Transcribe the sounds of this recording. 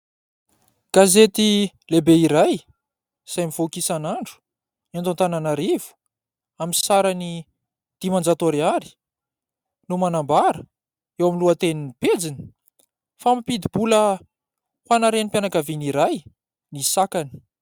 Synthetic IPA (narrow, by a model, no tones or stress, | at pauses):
ɡ̥azet̪i | lebeiɾaj | z̥ajmiv̥okisanaɳɖ͡ʐu̥ | ant̪oant̪ananaɾivu̥ | aminsaɾani | d̪̥imand͡zat̪oɾiaɾi̥ | numanambaɾə | ewamiluət̪eniniped͡zini̥ | famipid̪ibulə | hanaɾenipjanakaviniɾaj | nisakani̥